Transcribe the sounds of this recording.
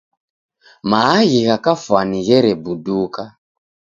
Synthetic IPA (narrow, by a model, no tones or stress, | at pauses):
maaɣiɣakafwaniɣɛɾɛbuduka